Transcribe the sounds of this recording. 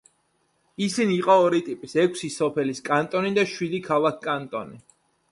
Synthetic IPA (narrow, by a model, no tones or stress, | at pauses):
isiniːqʼɔːɾit̪ʼipʼisɛkʷʰsisɔpʰɛliskʼant̪ʼɔnid̪aʃwid̪ikʰalˠakʰkʼant̪ʼɔ̰ni